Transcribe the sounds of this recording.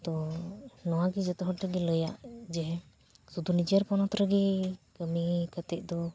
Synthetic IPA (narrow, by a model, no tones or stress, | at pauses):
t̪ɔnɔwaɡid͡ʒɛt̪ɔɦɔʈɾəɡiləjaʔd͡ʒɛɦɛ | sud̪unid͡ʒijaɾpɔnɔt̪ɾəɡikəmikət̪ɛʔ̚d̪ɔ